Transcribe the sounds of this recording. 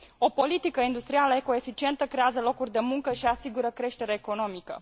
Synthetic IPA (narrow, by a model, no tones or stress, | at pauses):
o̞po̞lit̪ikəind̪ust̪ɾialəeko̞e̞fit͡ʃie̞nt̪əkɾe̞azəlo̞kurʲd̪e̞muŋkəʃiasiɡuɾəkɾe̞ʃt̪e̞ɾeeko̞no̞mikə̰